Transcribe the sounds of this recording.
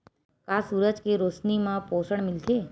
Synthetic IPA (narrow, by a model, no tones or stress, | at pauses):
kaːsuːɾəd͡ʒkeɾoːsnimãpoːsəɳ̃mɪlt̪ʰeː